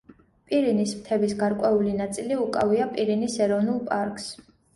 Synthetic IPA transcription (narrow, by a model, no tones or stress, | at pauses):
pʼiɾinismt̪ʰɛbisɡaɾkʼwɛulinat̪sʼiliukʼaviapʼiɾinisɛɾɔvnulˠpʼaɾkʼs